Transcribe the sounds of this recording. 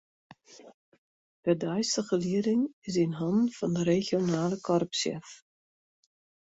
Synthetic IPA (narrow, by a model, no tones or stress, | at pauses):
d̥ədɛjstəɣəliəɾɪŋɪsɪnɦɔnfɑndəɾejɣjonaːləkʰɔrəpsjə̰f